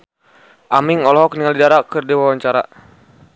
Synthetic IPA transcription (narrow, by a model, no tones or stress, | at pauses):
ʔamiŋɔlɔɦɔkniŋalidaɾakɨrdiwawaɲt͡ʃaɾa̰